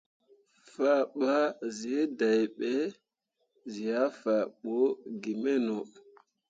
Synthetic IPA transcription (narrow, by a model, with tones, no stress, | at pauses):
fa˦ɓa˦zi˨e˦da˨jɓe˦ | zi˨ja˦fa˨ɓo˦ɡi˨mɛ˦no˨